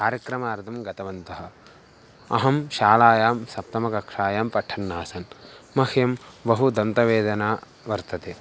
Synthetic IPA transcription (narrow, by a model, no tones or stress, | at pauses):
kaːɾjɐkɾɐmaːɾt̪ʰɐmɡɐt̪ɐʋɐnt̪ɐɦɐ̆ | ɐ̰ɦɐmʃaːlaːjaːmsɐp̚t̪ɐmɐkɐkʂaːjaːmpɐʈʰːɐnːaːsɐnmɐhjɐmbɐɦud̪ɐnt̪ɐʋeːd̪ɐnaː | ʋɐɾt̪ɐt̪eː